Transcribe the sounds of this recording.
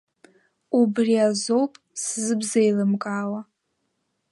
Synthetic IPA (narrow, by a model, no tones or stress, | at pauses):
ubriazo̞wpʼszɨbzejlɨmkʼaːwa